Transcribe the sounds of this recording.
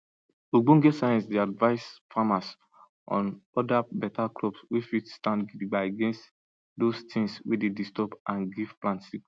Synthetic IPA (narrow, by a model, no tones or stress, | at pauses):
uɡ͡bũnɡɛtsajɛ̃nsdiadvaɪsfamas | ɔ̰̃nɔdabɛtaklɔbswifitstãndɡidiɡ͡baɪaɡɛ̃nst | dostĩŋswḭdedistɔpãnɡiv̥plãntsik